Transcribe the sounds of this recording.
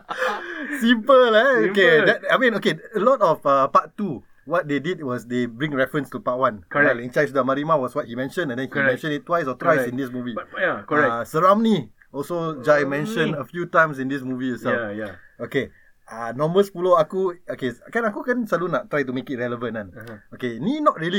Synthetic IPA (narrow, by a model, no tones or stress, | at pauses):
sĩmpəaokedɛt̚amĩnokeəlɔtɔfəpattu | wɔt̚dedid̚wɔsdebɹĩŋɹɛfɹə̃nstupat̚wãnaĩnt͡ʃajsdamaɹimawɔswɔt̚himɛ̃nʃə̃nɛ̃ndɛ̃nhkimɛ̃nʃə̃nit̚tːwajsɔtwajsĩndismuvi | səɹamni | ɔlsod͡ʒajmɛ̃nʃə̃nəfjutãj̃ms̬ĩndismuvijəsɛoke | anɔ̃mbəspuloakuokekãnakukãnsalunaʔtɹajt̬umekit̚ɹɛləvə̃nãnokeninɔt̚ɹiəli